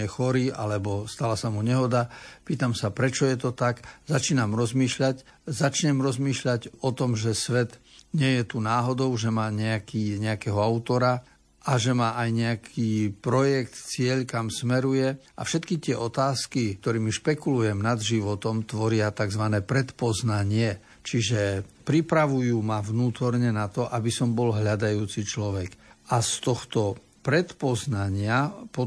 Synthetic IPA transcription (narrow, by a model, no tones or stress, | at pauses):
ɛxɔɾiːʔa̰lɛbɔst̪alasamuɲɛɦɔd̪apiːt̪amsapɾɛt͡ʃɔjɛt̪ɔt̪akzat͡ʃiːnamɾɔzmiːʃʎac | zat͡ʃɲɛmɾɔzmiːʃʎaɟɔt̪ɔmʒɛsʋɛt̪ɲɪɛjɛt̪unaːɦɔd̪ɔʊʒɛmaːɲɛakiːɲɛakɛːɦɔaʊt̪ɔɾa | ʔaʒɛmaːʔajɲɛakʰiːpɾɔjɛkt̪t͡sɪɛʎkamsmɛɾujɛʔa̰fʃɛt̪kit̪ɪɛʔɔt̪aːskikt̪ɔɾiːmiʃpɛkulujɛmnad̪ʒiʋɔt̪ɔmt̪ʋɔɾɪat̪aɡzʋanɛːpɾɛt̪pɔznaɲɪɛ | t͡ʃiʒɛpɾipɾaʋujuːmaʋnuːt̪ɔɾɲɛnat̪ɔʔabisɔmbɔlɦʎad̪ajuːt͡sit͡ʃlɔʋɛɡast̪ɔxt̪ɔ | pɾɛt̪pɔznaɲɪapɔ